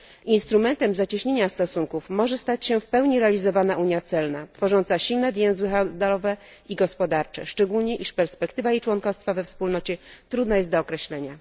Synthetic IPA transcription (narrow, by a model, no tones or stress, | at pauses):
inst̪ɾumɛnt̪ɛmzat͡ɕiɕɲeɲast̪ɔsuŋkufmɔʐɛst̪at͡ɕɕɛfpɛwɲiɾɛalʲizɔvanaʔuɲjat̪sɛlnat̪fɔʐɔnt̪saɕilnɛvʲjɛ̃w̃zwɘxand̪lɔvɛ | iɡɔspɔd̪aɾt͡ʂɛ̰ʂt͡ʂɛɡulɲɛʔiʂpɛɾspɛkt̪ɘvajejt͡ʂwɔnkɔst̪favɛfspulnɔt͡ɕɛt̪ɾud̪najɛst̪d̪ɔːkɾɛɕlɛɲa